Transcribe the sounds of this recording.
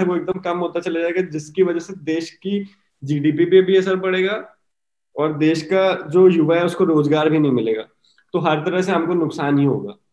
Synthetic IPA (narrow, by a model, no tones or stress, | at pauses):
ɛʋoek̚d̪əmkɐmɦoːt̪at͡ʃɐlad͡ʒaːeɡad͡ʒɪskiʋɐd͡ʒəɦsed̪eːʃki | d͡ʒiːɖiːpipebʱiɐsəɾpɐɽeːɡaː | ɔːɾd̪eːʃkad͡ʒoːjʊʋaɦɛʊskoɾoːzɡaːɾbʱinɐɦĩmɪleːɡa̰ː | t̪oɦɐɾt̪ɐɾəɦs̬eɦɐmkonʊksaːnɦiɦo̰ːɡa̰ː